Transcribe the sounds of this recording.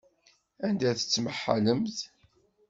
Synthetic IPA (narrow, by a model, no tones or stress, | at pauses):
ænd̪æθə̥t͡sːməħːa̰ləmθ